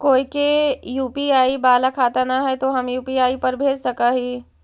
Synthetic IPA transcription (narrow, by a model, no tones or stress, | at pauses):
koːikejuːpiaːibaːlakʰaːt̪anaɦɛt̪oɦɐmjuːpiaːipɐɾbʱeːd͡ʒsɐkaɦiː